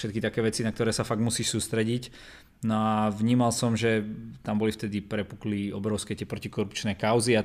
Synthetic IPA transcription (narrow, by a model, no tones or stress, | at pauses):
ʃɛt̪kit̪akɛːʋɛt͡sinakt̪ɔɾɛːsafaɡ̚musiːʃsuːst̪ɾɛɟic | nɔaʋɲiːmalsɔmʒɛt̪ambɔlift̪ɛd̪ipɾɛpukliɔbɾɔʊskɛːt̪ɪɛpɾɔcikɔɾupt͡ʃnɛːkaʊzia